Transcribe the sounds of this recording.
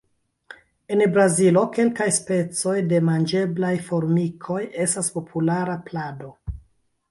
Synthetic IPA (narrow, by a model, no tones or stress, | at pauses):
e̞nbɾazilo̞ke̞lkajspe̞t͡so̞jde̞mand͡ʒe̞blajfo̞ɾmikʰo̞je̞staspo̞pʰulaɾaplado̞